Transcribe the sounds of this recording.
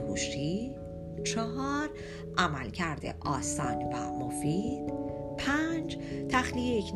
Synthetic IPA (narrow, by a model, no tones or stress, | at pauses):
huʃi | t͡ʃʰɒɦɒːɾ | ʔæmælcʰæɾd̪ḛʔɒːsɒːnvæ̰mofiːd̪̥pʰænd͡ʒt̪ʰæχlijejecʰn